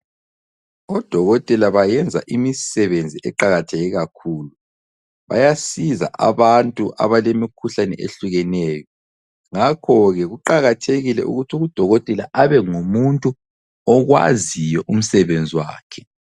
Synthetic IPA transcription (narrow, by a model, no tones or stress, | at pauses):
ɔd̥ʱɔɣɔtʼɛlaβajɛnd͡zʱa̰ʔimisɛβend͡zʱiʔɛǃaɣatʰɛɣɛɣakʰuːlu | βa̰jasiza̰ʔa̰βantʼuʔa̰βalemikʰuɬanɛ̰ʔḛɬuɣɛnɛjɔ | ŋakʰɔɣɛɣuǃaɣatʰeɣilɛ̰ʔṵɣutʰuɣud̥ʱɔɣɔtʼɛlaʔaβɛŋumuntʼu | ɔɣwa̰zijɔʔum̩sɛβend͡zʱiwa̰ːkʰɛ̥